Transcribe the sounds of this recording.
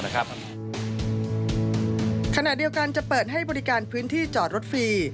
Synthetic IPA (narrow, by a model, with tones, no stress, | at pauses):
kʰa˧na˨˩ʔdi˧əwka˧nt͡ɕa˨˩pɤː˨˩t̪̚ɦa˥˩jbɔː˧ɾi˦˥kaː˧npʰɯː˦˥nt̪ʰiː˥˩t͡ɕɔː˨˩t̪̚ɾo˦˥t̪̚fiː˧